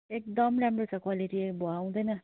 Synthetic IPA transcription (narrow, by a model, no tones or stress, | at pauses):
ek̚d̪ʌmɾamɾot͡sakwaliʈiboaw̃d̪ʌjnʌ